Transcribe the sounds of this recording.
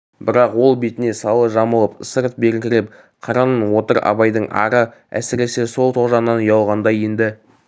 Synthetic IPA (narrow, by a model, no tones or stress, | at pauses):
bɪɾɑqwo̞lˠbe̞t̪ɪne̞sɑlˠəʒɑməlˠəpsəɾt̪̚be̞ɾkʲɪɾɪp̚ | qʰɑɾɑnənwo̞t̪əɾɑ̰bɑjd̪əɴʔɑ̰ɾəæ̰sɪɾe̞se̞so̞lˠt̪ʰo̞ʒɑnːɑnʊjɑlˠʁɑnd̪ɑjend̪ɪ